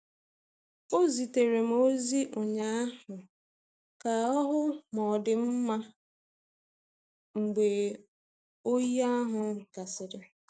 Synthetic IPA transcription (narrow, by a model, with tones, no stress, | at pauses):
o˦zi˨te˨ɾe˨m̩˦o˦zi˦ʔo˨ɲa˦a˦ɦʊ˨ | ka˨ɔ˦ɦʊ˦mɔ˨dɪ˨m̩˦ma˦ | ŋ͡m̩˨ɡ͡be˨ | o˦ji˦a˦ɦʊ˨˦˨ka˨sɪ˨ɾɪ˦